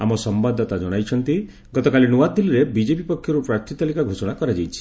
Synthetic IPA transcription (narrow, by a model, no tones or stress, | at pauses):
a̰mɔsɔmbad̪ʱɔt̪ad͡ʒɔɽ̃ajt͡ʃʰɔnt̪i | ɡɔt̪ɔkalinuwad̪iliɾebid͡ʒepipɔkʰjɔɾupɾaɾt̪ʰit̪alikaɡʱosɔɽ̃akɔɾad͡ʒajt͡ʃʰi̥